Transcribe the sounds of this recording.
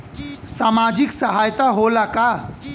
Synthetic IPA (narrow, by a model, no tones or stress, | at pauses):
saːmad͡ʒiksəɦajt̪aɦolaka